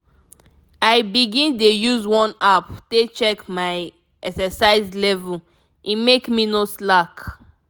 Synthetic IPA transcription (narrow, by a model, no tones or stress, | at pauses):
aɪbiɡĩndejuzwɔ̃naptet͡ʃɛkmaɪ | ɛksɛsaɪzlɛvul | ʔĩmekminoslak